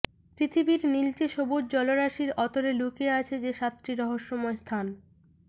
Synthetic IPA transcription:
pɾit̪ʰibiɾnilt͡ɕeʃobod͡ʑ̚d͡ʑɔloɾaʃiɾɔt̪oɾelukeat͡ɕʰed͡ʑeʃat̪ːɾiɾɔɦoʃːɔmɔest̪ʰan

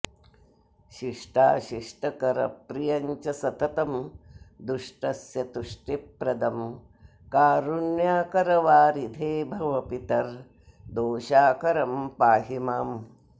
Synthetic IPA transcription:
ʃiʂʈaːʃiʂʈɐkɐɾɐ̰pɾijɐɲt͡ʃɐsɐt̪ɐt̪ɐmd̪uʂʈɐsjɐt̪uʂʈipɾɐd̪ɐm | kaːɾunjaːkɐɾɐʋaːɾid̪ʱeːbʱɐʋɐpit̪ɐɾ | d̪oːʃaːkɐɾɐmpaːɦimaːm

